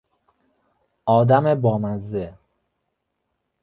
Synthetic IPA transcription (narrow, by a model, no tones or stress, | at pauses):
ɒːd̪æmebɒːmæzːe